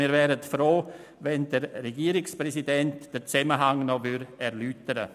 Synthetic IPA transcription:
miːɾvɛːɾətfɾoː | vɛndəɾːɛɡiːəɾɪkspɾɛsidɛntd̥əɾt͡sɛməɦaŋnɔvʏɾɛɾlyːtəɾə̰

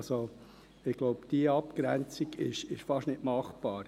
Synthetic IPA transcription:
so | ɪɡ̥loʊpd̥iəɑpɡ̥ɾænt͡siɡɪ̰ʃɪʃfɑʃtnɪtmɑχb̥ɑːɾ

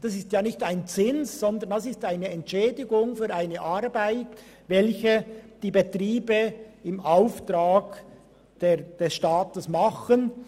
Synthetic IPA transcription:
d̥ɑsɪstjaːnɪçtaɪnt͡sɪnsz̥ɔnd̪ənd̥asɪstaɪnəɛntʃɛːdɪɡʊŋfyːɾaɪnəʔaɾbaɪt | vɛlçəd̥iːbetriːbəɪmʔaʊftʁaːɡ | d̥eːd̥ɛsʃtaːtəsmaχən

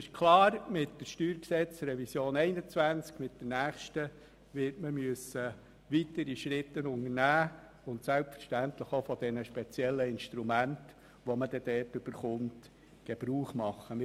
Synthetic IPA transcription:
ɪʃkʰlɑːɾmɪtdəʃtyːɾksɛt͡sɾɛvisjoːnɛɪnət͡sʋænt͡skmɪtd̥ənæːχʃtə | ʋɪtməmyəsə | ʋitəɾiʃɾɪtːənʊŋəɾnæː | ʊntsælpfə̥ɾʃtæntləχofɔd̥ɛnəʃpɛt͡sjɛlːəɪnʃt̪ɾumænt | ʋɔməd̥ɛd̥ɛːtøb̥əɾχʊmt | ɡ̥eb̥ɾuːχmɑχːəmɪ

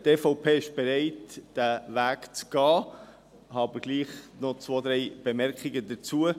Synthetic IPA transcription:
teːfoʊpʰeːɪʃb̥eɾeɪtd̥ævæːkt͡sɡ̥ɑː | ɦɑːbəɡ̥liːχnɔt͡sʋoːd̪ɾɛɪb̥emɛɾkiɡədət͡suə

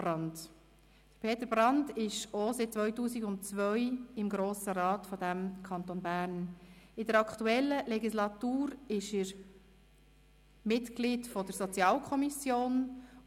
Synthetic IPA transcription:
ɾɑnd | d̥əɾpʰeːt̪əɾb̥ɾɑndɪʃoːsɪt͡sʋœʏtuːsiɡʊntt͡sʋœʏɪmɡɾoːsəɾɑːtfɔdæmkʰɑnt̪onbæːɾnɪdəɾɑkʰtuɛlːəlɛɡislɑt̪uːɾɪʃəɾ | mɪtɡ̥lidfɔd̥əɾsɔt͡sjɑːlkʰɔmisjoːn

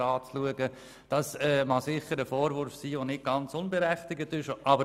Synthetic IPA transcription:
ɑːt͡sluəɡə | d̥ɑsɛːmɑsɪχəɾəfɔːɾvʊɾfsiːvonɪt̚ɡ̥ɑnt͡sʊnbeɾæχtɪɡətɪʃʔɑbə

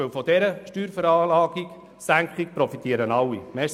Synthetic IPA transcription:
əwfɔdɛɾəʃtyːɾfəɾɑːlɑːɡ̥iɡ | sæŋkχik̚pɾɔfit̪iəɾənɑwːimɛː

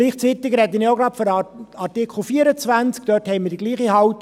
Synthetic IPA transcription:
liːχt͡siːt̪ɪɡɾɛd̪ənɪjoɡɾɑpfɔɾɑɾtɪkʰχl̩fiːəɾət͡sʋænt͡sk̚d̥̪œthɛɪmidiɡliːχihɑwt̪

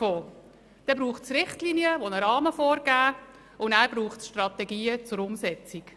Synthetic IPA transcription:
oː | d̪̥ɛbɾuːχtsɾɪχtliːniəʋonəɾɑːməfɔːɾɡ̥æː | ʊndæːɾb̥ɾuːχtsʃtrɑt̪ɛɡiːət͡sʊɾʊmsɛt͡sik

